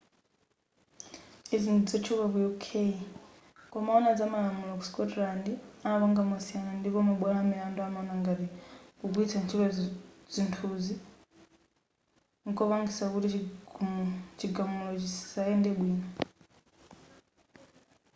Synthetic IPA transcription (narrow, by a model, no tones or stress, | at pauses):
izinud͡zɔt͡ʃʰuβakujukʰei | kɔmaɔnad͡zamalamulakuskɔtlandiaβaŋɡamasianandipɔmuɓwalamɛanduamaɔnaŋɡaɾikukuitʰant͡ʃʰilazintʰuzi | ŋkɔβaŋɡisakuti | t͡ʃiɡamulɔt͡ʃisaɛndɛɓwiːna